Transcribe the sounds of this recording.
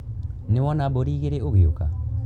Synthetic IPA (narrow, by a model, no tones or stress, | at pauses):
newɔnaboɾiːɣeɾeoɣeoka̰